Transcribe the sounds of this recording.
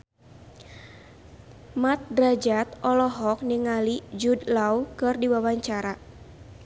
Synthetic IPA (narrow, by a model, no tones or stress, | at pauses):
mat̪̚dɾad͡ʒat̪ɔlɔɦɔk̚niŋalid͡ʒudlaukɨrdiwawaɲt͡ʃaɾa